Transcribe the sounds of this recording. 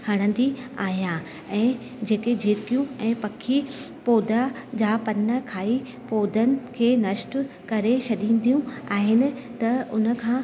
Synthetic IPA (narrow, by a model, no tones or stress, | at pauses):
hɐɽ̃ə̃n̆d̪iaːɦijã | ɛ̃ː | d͡ʑeːked͡ʑʱɪːɾkijũɛ̃ːpɐkʰi | poːd̪ʱad͡ʑaːpɐnːə̆kʰaːi | poːd̪ʱənɪ̆kʰeːnɐʃʈ | kɐɾeʃʰɐɗĩːn̆d̪ijũaːɦɪnɪ̆t̪ɐʊnə̆kʰãː